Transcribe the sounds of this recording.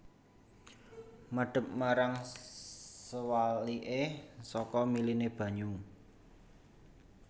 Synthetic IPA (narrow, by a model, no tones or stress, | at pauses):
məɖ̥ə̤p̚maɾaŋ | əwaliʔesɔkɔmilineb̥ä̤ɲu